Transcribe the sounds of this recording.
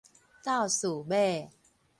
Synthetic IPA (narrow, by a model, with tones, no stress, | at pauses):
t̪a˥˨wsu˨˩be˥˨